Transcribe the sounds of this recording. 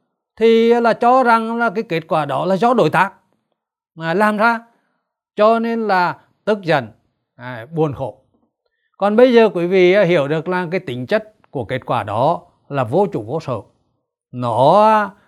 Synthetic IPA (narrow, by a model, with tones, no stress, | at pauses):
t̪ʰi˨˩˦laː˨˩t͡ɕɔ˧za˨˩ŋlaː˨˩kaː˨˦jke˦˥t̚kwaː˧˩ɗɔ˨˦laː˨˩zɔ˨˦ɗo̰˧˩jt̪aː˦˥k̚ː | laː˨˩mzaː˧ | t͡ɕɔ˧ne˧nlaː˨˩ | t̪ɨ˦˥k̚zə˨˩n˨˩ | ɓu˨˩ənxo̰˧˩˨ | kɔ˨˩nɓə˧jzəː˨˩kwi˧˩˦vḭ˧˨aː˨˧˦hi˧˩əwɗɨ˨˩ək̚laː˨˩kaː˨˦jt̪ï˨˦ŋ̟t͡ɕə˦˥t̚ku˧˩əke˦˥t̚kwaː˧˩ɗɔ˨˦ | laː˨˩vo˧t͡ɕṵ˧˨˩ko˧˦sə̰ː˧˨ | nɔ˧˨˦